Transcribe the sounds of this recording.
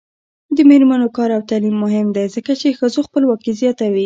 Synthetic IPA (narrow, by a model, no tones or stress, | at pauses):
d̪əmeɾmanokɑɾawt̪alimːʊɦɪmd̪ezəkat͡ʃexəzoxpəlwɑkizjɑt̪awi